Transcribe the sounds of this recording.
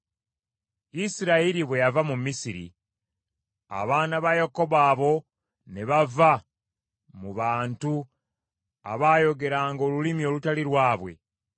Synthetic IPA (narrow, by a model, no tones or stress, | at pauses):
isiɾaiɾiβwe̞javamumːisiɾḭ | a̰βaːnaβajoko̞βaːβo̞ | ne̞βava | muβaːntu | a̰βaːjo̞ɡe̞ɾaːŋɡo̞ːlulimio̞ːlutaliɾwaːβwe̞̰